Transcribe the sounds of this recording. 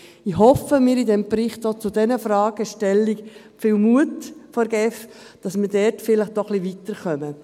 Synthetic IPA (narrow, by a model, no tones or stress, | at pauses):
ɪhɔfəmɪːɾidɛmbɾɪχtot͡sʊdɛnəfɾɑːɡ̥əʃtɛlːik | fɪːlmuətfɔɾɡ̥ɛfd̥ɑsmɪdɛɾtfɪləχt̚d̥ɔχliʋitəɾχœmə